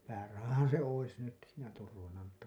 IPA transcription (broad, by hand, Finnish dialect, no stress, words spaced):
pæːrɑhɑhɑn̞ se ois nyt siːnæ turʋɑnɑ mutːɑ